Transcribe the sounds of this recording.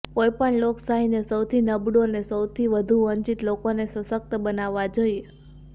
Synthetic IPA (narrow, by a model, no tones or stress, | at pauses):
kojpəɳloksaɦinesəwt̪ʰinəbɽonesəwt̪ʰiʋəd̪ʱuəɲt͡ʃit̪lokonesəsək̚t̪əbənaʋːad͡ʒoje